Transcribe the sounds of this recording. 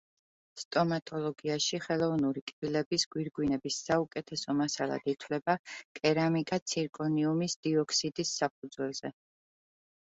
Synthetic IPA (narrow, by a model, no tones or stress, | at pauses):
st̪ʼɔmat̪ʼɔlˠɔɡiaʃiχɛlˠɔvnuɾikʼbilɛbisɡ̥wiɾɡwinɛbisːaukʼɛt̪ʰɛsɔmasalˠa̰d̪̥it̪ʰwlɛbakʼɛɾamikʼat̪sʰiɾkʼɔniumisd̪̥iɔkʰsid̪isːap̚ʰud̪zwɛlˠzɛ